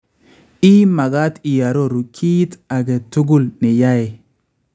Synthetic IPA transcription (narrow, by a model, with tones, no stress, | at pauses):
i˦ma˨ɡa˦ti˨ja˨ɾo˦˨ɾu˨kʰi˦ta˨ɡe˨tu˦ɡu˦˨lne˨ja˦e˨